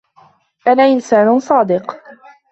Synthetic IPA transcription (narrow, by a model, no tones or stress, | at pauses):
ʔanaːʔɪnsaːnʊsˤɑːd̪ɪq